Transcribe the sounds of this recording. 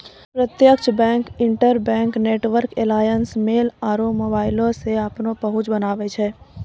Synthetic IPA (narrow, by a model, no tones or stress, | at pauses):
pɾət̪jəkt͡ʃbɛ̃ːŋkɪ̃ɳʈəɾbɛ̃ːŋkneːʈʋəɾkelaːjənsmeːlaːɾomoːbaːɪlõseapnopəɦʊt͡ʃbənaːʋet͡ʃʰɛː